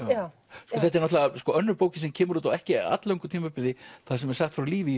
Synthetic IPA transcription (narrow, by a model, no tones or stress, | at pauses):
a | skɔθɛht̪ɛɾnɔt̪laaskɔœnːʏɾpoːwcɪnsɛmcʰɛːmʏɾuːt̪awɛhcɪa̰t̪lewŋkʏɾt̪ʰiːmapɪðɪθasɛmɛɾ̥saxt̪fɾawliːvɪ